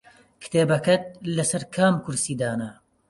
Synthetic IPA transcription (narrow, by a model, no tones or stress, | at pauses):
kʰɨ̥t̪ʰeːbɐkɐt̪̚lɐsɐɾkʰaːmkʰʊɾsiːd̪aːnɐ